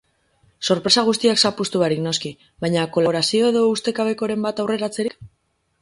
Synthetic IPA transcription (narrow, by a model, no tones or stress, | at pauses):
so̞ɾpɾe̞saɣ̞ust̪iaksapust̪uaɾikno̞ski | βajɲako̞loɾasio̞e̞ðo̞ust̪e̞kaβe̞ko̞ɾe̞mbat̪awre̞ɾat͡se̞ɾik